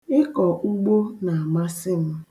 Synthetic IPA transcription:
ɪ˦kɔ˨ʔu˦ɡ͡bo˦na˨a˨ma˦sɪ˦ŋ̩˦

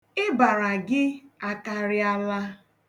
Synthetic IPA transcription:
ɪ˦ba˨ɾa˨ɡɪ˦a˦ka˨ɾɪ˦a˦la˦

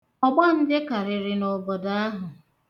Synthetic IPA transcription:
ɔ˦ɡ͡ba˦n̩˦dɪ˦ka˨ɾɪ˨ɾɪ˨no˨bɔ˨da˦a˦ɦʊ˨

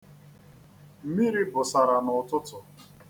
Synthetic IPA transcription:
m̩˦mi˦ɾi˦bʊ˨sa˨ɾa˨nʊ˨tʊ˦tʊ˨

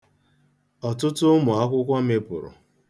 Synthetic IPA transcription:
ɔ˨tʊ˦tʊ˦mʊ˨a˦kʷʊ˦kʷa˦m̩ɪ˦pʊ̰˨ɾʊ̰˨

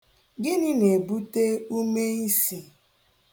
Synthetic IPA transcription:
ɡɪ˦nɪ˦ne˨bu˦te˦u˦me˦i˦si˨

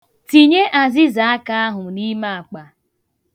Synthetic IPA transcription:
ti˨ɲe˦ʔa˨zɪ˦za˨a˦ka˦a˦ɦʊ˨ni˦ma˦a˨k͡pa˨

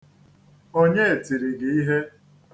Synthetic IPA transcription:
o˦ɲe˦e˨ti˨ɾi˨ɡɪ˨i˦ɦe˦

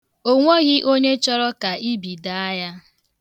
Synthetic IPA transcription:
o˦ŋʷo˦ɣɪ˦ʔo˦ɲe˦t͡ʃɔ˦ɾɔ˦ka˨i˦bi˨da˦a˦ja˦

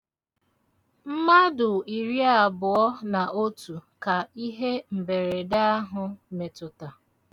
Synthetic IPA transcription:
m̩˦ma˦dʊ˨i˨ɾi˦a˨bʊ˨ɔ˦na˨ʔo˦tu˨ka˨i˦ɦe˦m̩˨be˨ɾe˨da˦ɦʊ˨me˨tʊ˨ta˨

